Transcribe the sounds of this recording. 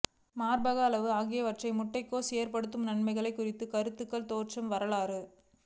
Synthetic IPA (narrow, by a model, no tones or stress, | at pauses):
maːɾbɐɣaːlɐʋɯaːɣɪjɐʋɐʈrɐɪmʊʈːɐɪkːoːseːɾpɐɽɯt̪ːɯmnɐɳmɐɪɣɐɭɐɪkːʊrɪt̪ːɯkɐɾɯt̪ːɯkːɐɭt̪oːrʈt͡ʃɐmʋɐɾɐɭaːɾɯ